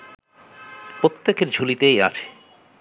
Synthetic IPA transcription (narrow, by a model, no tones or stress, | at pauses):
pɾot̪ːekeɾd͡ʑʱulit̪eja̰t͡ɕʰe̥